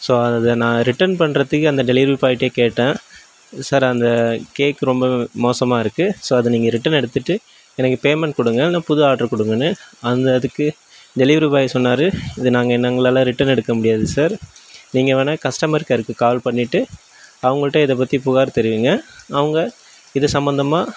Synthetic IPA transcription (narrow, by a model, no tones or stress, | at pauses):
soːɐðɐnãːɾɪʈːɐnpɐɳɾɐt̪ːɯkːɯɐnd̪ɐɖɛlɪʋɾɾipaːjɪʈːeːkeːʈːẽː | saːɾɐnd̪ɐkeːkːɯɾɔmbɐmoːsɐmaːɪɾɯkːɯsoːɐðɯniːŋɡɐɾɪʈːɐnɛɽɯt̪ːɯʈːɯ | ɛnɐkːɯpeːmɛɳʈkʊɽɯŋɡɐnãːpʊðɯaːʈːɐɾkʊɽɯŋɡɐnːɯɐnd̪ɐðɯkːɯ | ɖɛlɪʋɐɾibaːjɐsɔnːaːɾɯɪðɯnaːŋɡɐɛnːɐŋɡɐɭaːlɐ̃ɾɪʈːɐnɛɽɯkːɐmʊɽɪjaːðɯsaːɾniːŋɡɐʋɐːnɐkɐsʈɐmɐɾkːɐɪɾɯkːɯkaːʋɐlpɐɳːɪʈːɯ | ɐʋɐŋɡɐɭɯʈːɐ̃ːɪðɐp̬ːɐt̪ːipʊɣaːɾt̪ɛɾɪʋiːŋɡɐːʋɐŋɡɐ | ɪðɐsɐmbɐnd̪ɐmaː